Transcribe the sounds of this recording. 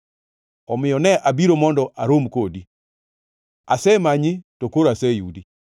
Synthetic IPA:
ɔmɪjɔnɛʔabiɾomɔndɔʔaɾomkodi | a̰sɛmaɲɪtokoɾasɛjudi

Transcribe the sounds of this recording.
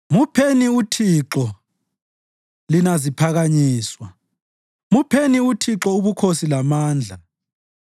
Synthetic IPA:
mupʰeniutʰiǁɔ | linazipʰaɣaɲiːswa | mupʰeniutʰiǁɔuβukʰosilamaːnd͡ɮʱa

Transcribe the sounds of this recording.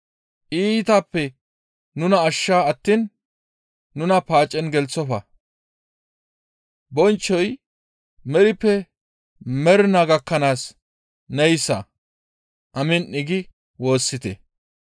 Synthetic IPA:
ʔiːt̪apːɛ | nʊnɐːʃːaːɐt̪ːiːnː | ʊnɐpaːt͡ʃʼːɛnɡɛlt͡sːɔfɐ | bɔnt͡ʃːɔj | mɛɾɪpːɛ | mɛɾnɐɡɐkːɐnaːs | nɛjsɐ̰ | ʔɐmɪnɪɡɪ | wo̞ːsːɪt̪ɛ

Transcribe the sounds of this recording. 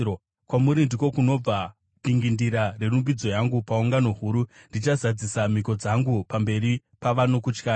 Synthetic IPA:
o | kwamuɾindiko̞kuno̞b͡va | piŋɡindiɾare̞rumbid͡zo̞jaŋɡupauŋɡano̞ɦuːɾundit͡ʃazad͡zisamiko̞d͡zaŋɡupambe̞ɾi | paʋano̞kut͡ʃkaː

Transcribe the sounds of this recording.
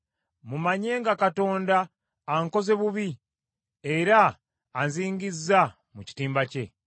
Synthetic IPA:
mumaɲe̞ːŋɡakato̞ːndaː | ŋko̞ze̞βuβi | eɾaː | nziːŋɡizːa | muci̥tiːmbace̞

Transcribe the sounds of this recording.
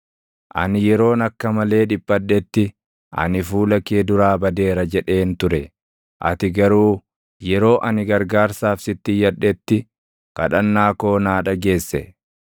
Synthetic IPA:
ʔɐ̰nɪjɛɾo̞ːnɐkːɐmɐle̞ːᶑɪpʼːɐᶑːɛt̪ːɪ | ʔɐ̰nɪfuːlɐkeːd̪ʊɾaːbɐd̪e̞ːɾɐd͡ʒɛᶑe̞ːnt̪ʊɾɛ | ʔɐ̰t̪ɪɡɐɾuː | jɛɾo̞ːʔɐnɪɡɐɾɡaːɾsaːfsɪt̪ːɪjɐᶑːɛt̪ːɪ | kɐᶑɐnːaːko̞ːnaːᶑɐɡe̞ːsːɛ

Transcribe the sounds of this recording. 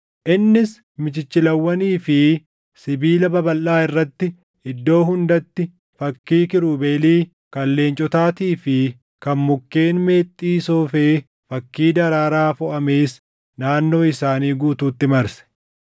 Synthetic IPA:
ʔɪnːɪs | mɪt͡ʃɪt͡ʃːɪlɐwːɐniːfɪ | sɪbiːlɐbɐbɐlʔːaːɪrːɐt̪ːɪ | ɪd̪ːo̞ːɦʊnd̪ɐt̪ːɪ | fɐkːiːkɪɾuːbeːliː | kɐlːe̞ːnt͡ʃʼɔt̪aːt̪iːfɪ | kɐnmʊkːe̞ːnme̞ːt̪ʼːiːsoːfeː | fɐkːiːd̪ɐɾaːɾaːfʊʔɐmeːs | naːnːo̞ːɪsaːniːɡuːt̪uːt̪ːɪmɐɾsɛ̥

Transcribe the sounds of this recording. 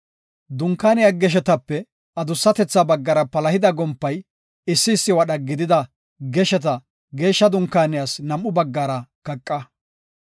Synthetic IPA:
d̪ʊŋkːaːnɪjaɡɛʃ̬ɛt̪ɐpːɛ | ɐd̪ʊsːɐt̪ɛt͡sːabɐɡːɐɾɐpɐlɐhɪd̪ɐɡɔmpːɐj | ɪsːɪːsːɪwɐɗɐɡɪd̪ɪd̪ɐ | ɡɛʃɛt̪̬ɐ | ɡe̞ːʃːɐd̪ʊŋkːaːnɪjaːsnɐmʔːʊbɐɡːaːɾɐkɐkʼːɐ

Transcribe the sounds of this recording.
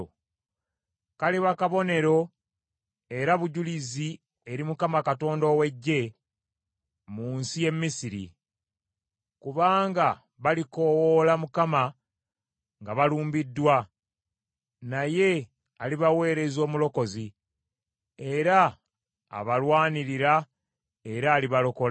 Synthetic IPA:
kaliβakaβo̞ne̞ɾo̞ | e̞ɾaβuɟulizi | e̞ɾimukamakato̞ːndowe̞ɟːe̞ | muːnsije̞mːisiɾḭ | kuβaːŋɡa | βaliko̞wolamukama | ŋɡaβaluːmbidːwa | naje̞ | aliβawe̞ːɾe̞zo̞ːmulo̞ko̞zi | e̞ɾa̰ː | βalwaːniɾiɾa | e̞ɾaːliβalo̞ko̞l

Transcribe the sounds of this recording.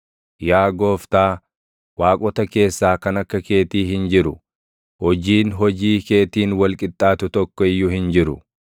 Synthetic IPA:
jaːɡo̞ːft̪aː | waːkʼɔt̪ɐke̞ːsːaːkɐnɐkːɐke̞ːt̪iːɦɪnd͡ʒɪɾʊ | hɔd͡ʒiːnɦɔd͡ʒiːke̞ːt̪iːnwɐlkʼɪt̪ʼːaːt̪ʊt̪ɔkːɔɪjːʊhɪnd͡ʒɪɾʊ̰

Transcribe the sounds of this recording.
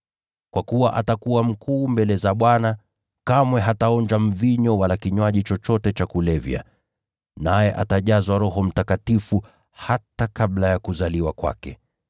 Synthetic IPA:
kwakuwaʔatakuam̩kuːmbɛlɛzaɓwana | kamwɛɦataɔnd͡ʒam̩viɲɔwalakiɲwaʄit͡ʃɔt͡ʃɔtɛt͡ʃakulɛvja̰ | najɛʔa̰taʄazwaɾɔɦɔm̩takatifu | hatakaɓlajakuzaliwakwa̰kɛ

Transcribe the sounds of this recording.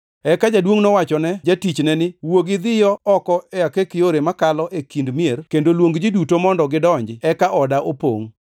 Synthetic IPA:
ɛkad͡ʒadwoŋnɔwat͡ʃɔnɛd͡ʒatit͡ʃnɛnɪwoɡɪd̪ɪjɔɔkɔɛakekɪjoɾemakalɔʔekindmierkendolwoŋɡd͡ʒidutomɔndɔɡɪdɔɲd͡ʒɪɛkaʔɔdaʔopo̰ŋ

